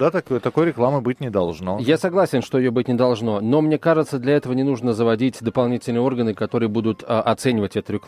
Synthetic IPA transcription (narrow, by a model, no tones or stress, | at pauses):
d̪at̪ɐkojt̪ɐko̞jɾʲɪklˠamɨbɨtʲnʲɪd̪ɐlˠʐnojasɐɡlˠasʲɪnʂt̪oɪjobɨt̚ʲnʲɪd̪ɐlˠʐno̞no̞mnʲe̞kaʐɨt̪səd̪lʲɐɛt̪əvənʲɪnuʐnəzəvɐdʲitʲd̪əpɐlˠnʲitʲɪlʲnɨjəo̞rɡənɨkɐt̪o̞ɾɨjəbud̪ʊt̪ʔɐt̪sɛnʲɪvətʲɛt̪ʊɾʲɪkˠ